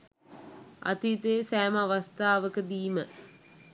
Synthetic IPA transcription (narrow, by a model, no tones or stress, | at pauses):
a̰t̪it̪eːsæːmaʋast̪aːʋəkəd̪iːmə